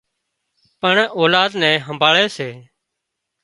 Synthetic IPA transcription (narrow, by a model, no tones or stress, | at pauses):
pəɳoːlaːd̪nɛ̃ːɦəmbʱaːɭɛːseː